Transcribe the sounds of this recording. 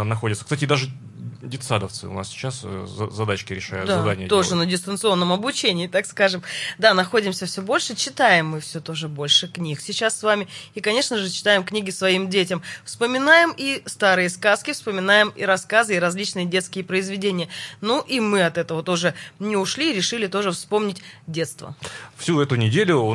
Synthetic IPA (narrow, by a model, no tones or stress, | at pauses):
nɐxodʲɪt̪sə̥kst̪atʲɪd̪aʐɨ | dʲɪt̪sad̪əft̪sɨ̰ʊ̰na̰ssʲɪ̥t͡ɕasz̰zɐd̪at͡ɕkʲɪɾʲɪʂa̰jʊtd̪azɐd̪anʲɪjəo̞ʐɨnədʲɪst̪ənt̪sɨo̞nːəmɐbʊt͡ɕenʲɪːt̪akskaʐɨmd̪anɐxo̞dʲɪmsʲəfsʲɵbo̞lʲʂɨt͡ɕɪt̪ajɪmːɨfsʲɵt̪o̞ʐɨbo̞lʲʂɨknʲiksʲɪt͡ɕasːvamʲɪikɐnʲe̞ʂnəʐɨt͡ɕɪ̥t̪ajɪmknʲiɡʲɪsvɐimdʲetʲəmfspəmʲɪnajɪmist̪aɾɨjəskaskʲɪfspəmʲɪnajɪmḭɾɐskazɨɪɾɐzʲlʲit͡ɕnɨjədʲe̞t̪skʲɪjəpɾəɪzvʲɪdʲenʲɪjənuʔimɨɐt̪ɛt̪əvət̪oʐɨnʲɪʊʂlʲiɾʲɪʂɨlʲɪt̪o̞ʐɨfspo̞mnʲɪtʲdʲe̞t̪st̪və̰fsʲuɛt̪ʊnʲɪdʲelʲʊ